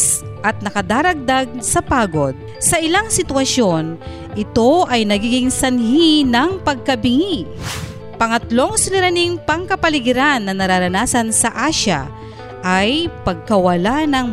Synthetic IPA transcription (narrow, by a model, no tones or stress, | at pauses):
sʔɐt̪̚nɐkɐd̪aːɾɐɡ̚d̪aɡ̚sɐpaːɡo̞d̪̚ | sɐʔɪlaŋsɪt̪wɐʃjo̞n | ʔɪt̪o̞ʔɐjnɐɡiːɡɪŋsɐnɦinɐŋpɐɡ̚kɐbɪŋi | pɐŋɐt̪lo̞ŋsɪnɪɾaniŋpɐŋkɐpɐlɪɡɪɾanːɐnɐɾaɾɐnaːsɐnsɐʔaʃa̰ | ʔajpɐɡ̚kɐwɐlanɐŋ